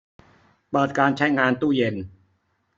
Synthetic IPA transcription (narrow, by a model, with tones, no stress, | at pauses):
pɤː˨˩t̪̚kaː˧nt͡ɕʰa˦˥jŋaː˧nt̪uː˥˩je˧n